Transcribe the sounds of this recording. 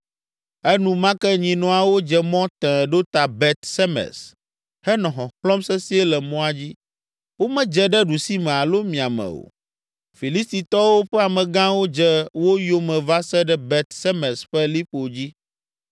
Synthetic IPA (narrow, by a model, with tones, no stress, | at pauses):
ɛ˦nũ˦mã˦kɛ˦ɲĩ˨nɔ̃˨a˨wo˦d͡ʒɛ˨mɔ̃˦t̪ɛ̃˨ɖo˦t̪a˨bɛ˨t̪sɛ˦mɛ̰˨s | hɛ˦nɔ̃˨ɦɔ̃˨xlɔ̃˦msɛ˦si˦ɛ˦lɛ˨mɔ̃˦a˦d͡ʑi˦ | wo˦mɛ̃˦d͡ʒɛ˦ɖɛ˦ɖu˨si˦mɛ̃˨a˨lo˦mĩ˨a˨mɛ̰̃˨wo̰˨ | fi˨li˦st̪i˨t̪ɔ˦wo˦ɸɛ˦a˨mɛ̃˨ɡã˦wo˦d͡ʒɛ˦wo˦jo˦mɛ̃˨va˦sɛ˦ɖɛ˦bɛ˨t̪sɛ˦mɛ̃˨sɸɛ˦li˦ɸo˨d͡ʑi˦